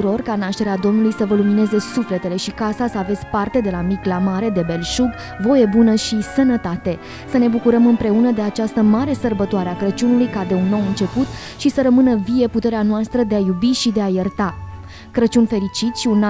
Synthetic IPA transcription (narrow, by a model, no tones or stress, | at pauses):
ɾo̞rkanaʃt̪e̞ɾead̪o̞mnulujsəvəlumine̞ze̞sufle̞t̪e̞le̞ʃikasasəave̞t̪sʲpart̪e̞d̪e̞lamiklamaɾe̞d̪e̞be̞lʃuɡ | vo̞je̞bunəʃisənət̪at̪e̞ | səne̞bukuɾəmɨnpɾe̞unəd̪e̞at͡ʃast̪əmaɾe̞sərbət̪oaɾeakɾət͡ʃunulujkad̪e̞unːo̞wɨnt͡ʃe̞put̪ | ʃisəɾəmɨnəvie̞put̪e̞ɾeanoast̪ɾəd̪e̞ajubiʃid̪e̞ajərt̪a | kɾət͡ʃunfe̞ɾit͡ʃit̪sʃiunːa